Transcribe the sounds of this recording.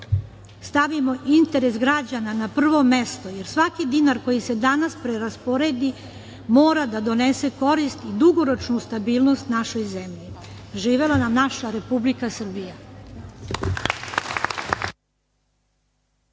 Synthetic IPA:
st̪aʋimo̞ʔint̪e̞ɾe̞sɡɾad͡ʑananapr̩ʋo̞me̞st̪o̞je̞ɾsʋakid̪inaɾko̞jise̞d̪anaspɾeɾaspoɾe̞d̪i | mo̞ːɾad̪ad̪o̞nese̞ko̞ɾist̪id̪uɡo̞ɾo̞t͡ʃnust̪abiːlˠno̞st̪naʃo̞jzemʎi | ʒiːʋe̞lanamnaʃaɾe̞publikasr̩bija

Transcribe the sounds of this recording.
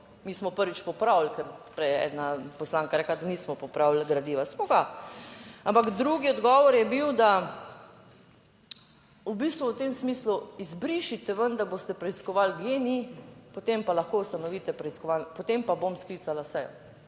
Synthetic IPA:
miːsmɔpəɾʋit͡ʃpɔpɾawlkɛɾpɾɛjɛ̰ːd̪napɔslaːŋkaɾɛklad̪aniːsmɔpɔpɾawlɡɾad̪iːʋasmɔɡa | ampakd̪ɾuːɡiɔd̪ɡɔːʋɔɾjɛbiwd̪a | ubiːst̪ʋuwt̪emsmiːsluizbɾiʃit̪ɛʋənd̪abost̪ɛpɾɛiskɔʋalɡjenipɔt̪empalaxkowst̪anɔʋiːt̪ɛpɾɛiskɔʋanpɔt̪empabomsklit̪salasɛjɔ̰

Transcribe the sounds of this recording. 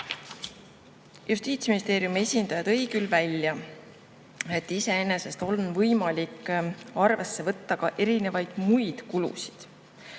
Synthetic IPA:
just̪iːt̪sminʲist̪e̞ːɾiumie̞sʲind̪ɑjɑd̪̥ɤ̞jɡ̥ylvælʲjɑ | e̞t̪ːˑise̞e̞ne̞se̞st̪o̞nvɤjmɑlikːˑɑrve̞sːe̞vɤt̪ːɑkɑʔe̞ɾine̞vɑjd̪̥mujd̪̥kulṵsi̥d̪̥

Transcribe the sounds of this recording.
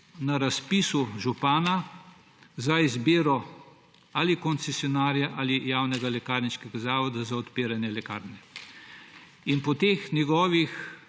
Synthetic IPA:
naɾaspisuʒupaːna | zaizbeːɾɔ | aːlikɔnt̪sɛsjɔnaːɾjaʔaːlijaːwnɛɡalɛkaːɾniʃkɛɡazaːʋɔd̪azaɔt̪peːɾanjɛlɛkaːɾnɛ | inpɔt̪eːxnjɛɡɔːʋix

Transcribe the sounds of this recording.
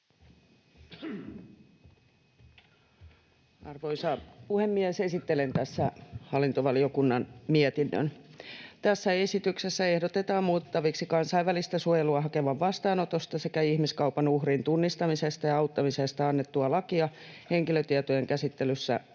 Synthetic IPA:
ɑrʋoisɑpuhemːiɛse̞sit̪ːelent̪æsːæhɑlːint̪oʋɑlio̞kunːɑnmiɛt̪inːø̰nt̪æsːæesit̪yksesːæe̞hdo̞t̪et̪ɑːmmuːt̪ːɑʋiksikɑnsɑiʋːælist̪æsuojeluɑɦɑke̞ʋɑʋʋɑst̪ɑːnot̪ost̪ɑsekæihmiskɑwpɑnuhrint̪unːist̪ɑmisest̪ɑjɑɑuwt̪ːɑmisest̪ɑɑnːet̪ːuɑlɑkiɑ | he̞ŋkiløt̪iɛt̪ojeŋkæsit̪ːelysːæ̰

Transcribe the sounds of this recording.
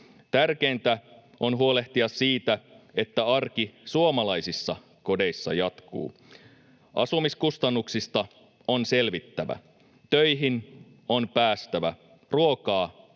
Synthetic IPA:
t̪ærke̞ːnt̪æ | o̞nɦuole̞ht̪iɑsiːt̪æe̞t̪ːæɑrkisuomɑlɑjsisːɑ | ko̞de̞jsːɑ̰jɑt̪kṵː | ʔɑ̰sumiskust̪ɑnːuksist̪ɑ | onse̞lʋit̪ːæʋæ̰ | t̪øjɦin | onpæːst̪æʋæ̰ | ruokɑː

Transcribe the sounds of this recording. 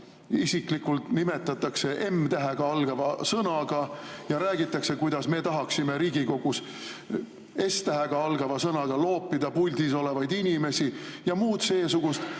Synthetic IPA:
isiklikult̪nime̞t̪ːˑɑt̪ːˑɑkse̞ʔe̞mt̪æɦeɡ̥ɑɑlɡ̥ɑvɑsɤnɑɡ̥ɑjɑɾæːɡ̥it̪ːˑɑkse̞kujd̪̥ɑsme̞t̪ɑɦɑksime̞ɾiːɡ̥iko̞ɡ̥us | e̞st̪æɦeɡ̥ɑɑlɡ̥ɑvɑsɤnɑɡ̥ɑlo̞ːpːid̪̥ɑpulʲd̪̥iso̞le̞vɑjd̪inʲime̞sijɑmuːt̪se̞ːsuɡ̥ust̪

